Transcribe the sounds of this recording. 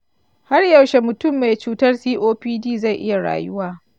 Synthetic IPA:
ha˦rjɐ˨wʃe˨mʊ˨tʊ˦mːe˨jt͡ʃuː˨tɐ˦rsiː˦ʔoː˦ɸiː˦diː˦za˦˨jʔɪ˦ja˨ɽa̰ː˨jʊ˦waː˦˨

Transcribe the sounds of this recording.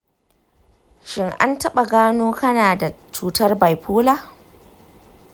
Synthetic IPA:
ʃɪ˦ŋʔa̰˦ntɐ˦ɓa˨ɡaː˦noː˦kɐ˦naː˨da˨t͡ʃuː˦tɐ˦rba˨jɸʰuː˦laː˦˨

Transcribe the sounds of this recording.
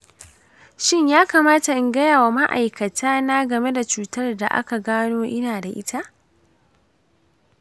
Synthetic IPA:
ʃɪ˦ɲjaː˦kaː˨maː˦ta˨ʔɪ˨ŋɡɐ˦jaː˨wa˨ma˦ʔa̰˨jkɐ˨tʰaː˦na˦ɡɐ˨me˦da˨t͡ʃuː˦tɐ˦rda̰˨ʔa̰˦ka˨ɡaː˦noː˦ʔɪ˦naː˨da˨ʔɪ˦tʰa˦ʔ

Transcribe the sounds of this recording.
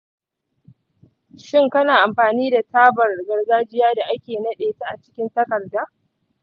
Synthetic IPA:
ʃɪ˦ŋkɐ˦naː˨ʔa˨mɸaː˨niː˦da˨taː˦bɐ˨rɡɐ˨rɡaː˦d͡ʒɪ˦jaː˦da˨ʔa˦kʲeː˨nɐ˦ɗeː˨ta˦ʔa˨t͡ʃɪ̥˦kʲɪ˦ntɐ˦kɐ˨rdaː˦

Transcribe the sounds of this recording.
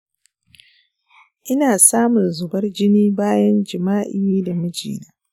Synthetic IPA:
ʔɪ˦naː˨saː˦mʊ˨nzʊ˨bɐ˦rd͡ʒɪ˦niː˦baː˦jɐ˦nd͡ʒɪ˨maː˦ʔɪ˦jiː˦da˨mɪ˦d͡ʒḭː˨naː˦

